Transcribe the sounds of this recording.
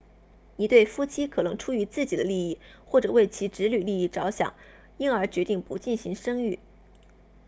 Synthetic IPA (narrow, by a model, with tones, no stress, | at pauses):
ni˨˩t̪we˥˩ɪfu˥t͡ɕʰi˥kʰɤ˨˩nɤ˧˥ŋʈ͡ʂʰu˥y˧˥t͡sɹ̩˥˩t͡ɕi˨˩d̪ə˦li˥˧i˥˩xwɔ˥˩ʈ͡ʂɤ˨˩we˥˩ɪt͡ɕʰi˧˥ʈ͡ʂɻ̩˧˥ly˨˩li˥˧i˥˩ʈ͡ʂɑ˧˥ʊɕjɑ̰˨˩˦ŋ | i˥nə˞˧˥t͡ɕɥɛ˧˥t̪i˥˩ŋpu˧˥t͡ɕi˥˩nɕi˧˥ŋʂɤ˥ŋy˥˩